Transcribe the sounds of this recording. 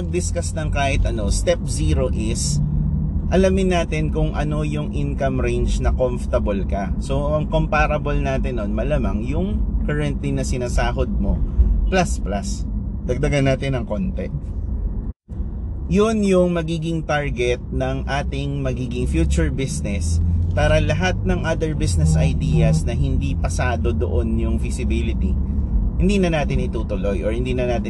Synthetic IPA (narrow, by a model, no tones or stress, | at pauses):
pɐɡ̚d̪ɪskɐsnɐŋkaːhɪt̪̚ʔɐno̞st̪ɛp̚siːɾo̞ʔɪs | ʔɐlamɪnːaːt̪ɪnkʊŋʔɐno̞jʊŋʔɪnkɐmɾend͡ʒnɐkomft̪ɐbolkɐso̞ʔɐŋkompaːɾɐbolnaːt̪ɪnːo̞nmɐlaːmɐŋjʊŋkɐɹɛnt̪linɐsɪnaːsaːɦod̪̚mo̞plɐsplasd̪̥ɐɡ̚d̪ɐɡɐnːaːt̪ɪnɐŋko̞nt̪ɛ̰ | jonjʊŋmɐɡiːɡɪŋt̪aɹɡɛt̪̚nɐŋʔaːt̪ɪŋmɐɡiːɡɪŋfjuːt͡ʃʊɹbisnɛspaːɾɐlɐɦat̪̚nɐŋʔaːd̪ɛɹbisnɛsʔɐjd̪ijɐsnɐɦɪnd̪ipɐsaːd̪o̞d̪o̰ʔonjʊŋfɪsɪbilɪt̪ḭhɪnd̪iːnɐnaːt̪ɪnʔɪt̪uːt̪ʊlo̞jʔɔɹhɪnd̪iːnɐnaːt̪ɪ